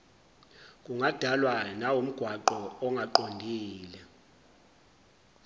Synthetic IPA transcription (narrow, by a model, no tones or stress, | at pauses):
k̬ʼuŋad̥ʱalwanawum̩ɡ̥ʱwaǃɔɔŋɡʱaǃondʱiːlɛ